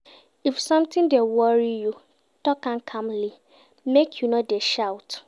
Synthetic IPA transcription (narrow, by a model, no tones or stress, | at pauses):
ifsʌ̃mtɪ̃ndewɔɹiju | tɔkãnkʰãmli | mekʰjunɔdeʃawt